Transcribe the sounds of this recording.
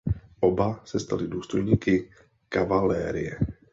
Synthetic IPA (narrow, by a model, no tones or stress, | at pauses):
ʔobasɛst̪a̰lɪduːst̪o̞jɲiːkɪ | kavalɛːɾɪjɛ